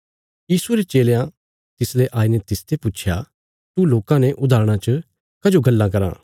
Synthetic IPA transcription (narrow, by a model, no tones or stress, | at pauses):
jiːsueɾet͡ʃeːlejã | t̪ɪsleʔaːiːnɛt̪ɪst̪ʰepʊt͡ʃʰja̰ | t̪uloːkãnẽʔʊd̪aːɾɽ̃ãt͡ʃə | kɐd͡ʒoɡɐlːãk̬ɐɾã̰ː